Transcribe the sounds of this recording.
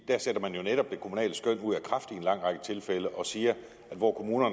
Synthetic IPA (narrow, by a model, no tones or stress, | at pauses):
d̥æɐsed̥ɐmænjo̝neɾ̥ɒ̽b̥̚d̥e̝kʰomunɛ̰ːlsɡ̥œn̰uð̞̰ˠækʰʁɑfd̥ie̝nlɑ̈ŋ̰ʁɑ̈ɡ̥ət͡sʰe̝lfeləʔɒ̽siːɐ | æd̥ʋɒ̰ːkʰo̝muːnɐn